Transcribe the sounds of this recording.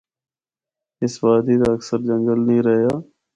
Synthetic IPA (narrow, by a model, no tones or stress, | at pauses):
ɪsbaːd̪iːd̪aːəksəɾd͡ʒəŋɡəlnĩːɾəɦjaː